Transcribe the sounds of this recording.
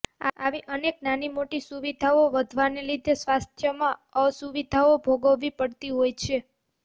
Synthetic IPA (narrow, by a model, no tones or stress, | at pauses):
aaʋiʔəneknanimoʈisuʋid̪ʱaoʋəd̪ʱʋanelid̪ʱesʋast̪ʰjəmãəsuʋid̪ʱaobʱoɡəʋːipəɽt̪iɦojt͡ʃʰe